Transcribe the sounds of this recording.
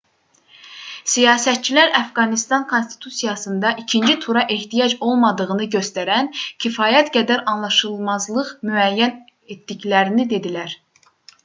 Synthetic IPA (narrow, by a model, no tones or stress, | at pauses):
sijɑːsæt̪̚t͡ʃʰilæɾæfɡɑnist̪ɑnkʰo̞nst̪ʰi̥t̪ʰusijɑsɯnd̪ɑʔicʰind͡ʒit̪ʰuɾɑʔeht̪ʰijɑd͡ʒo̞lˠmɑd̪ɯʁɯnɯɟø̞st̪æɾæncʰifɑːjæt̪ɡæd̪æɾɑnlˠɑʃɯlˠmɑzlˠɯʁmyæjːæn | et̪d̪içlæɾinid̪e̞d̪ilæɾ